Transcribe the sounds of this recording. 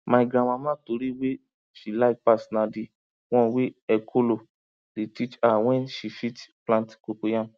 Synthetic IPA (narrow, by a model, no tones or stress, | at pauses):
mãiɡɾãw̃ãmãːtoɾiwe | ʃilaikpasnãdi | w̃ɔ̃weɛkʰolo | detit͡ʃaw̃ɛ̃nʃifitplãntkokojã